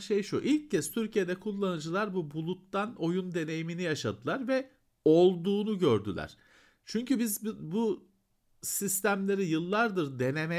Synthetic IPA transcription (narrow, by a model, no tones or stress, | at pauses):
ʃejʃuʔilʲc̚cʰːɛz̥t̪ʰyɾcʰije̞d̪ɛkʰulˠːanɯd͡ʒɯlˠaɾbubulˠut̪ːano̞jund̪e̞ne̞jiminijaʃad̪ɯlˠaɾvɛ | o̞lˠd̪uːnuɟøɾd̪y̰lʲæ̰ɾ̝̥ | t͡ʃʰyɲcybizbu | sist̪ʰæmlʲe̞ɾijɯlˠːaɾd̪ɯɾd̪e̞ne̞me